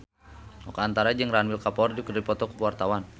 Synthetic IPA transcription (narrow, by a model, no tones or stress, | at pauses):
ɔkaant̪aɾad͡ʒɨŋranwilkapɔrdikərdipɔt̪ɔkəpuwart̪awan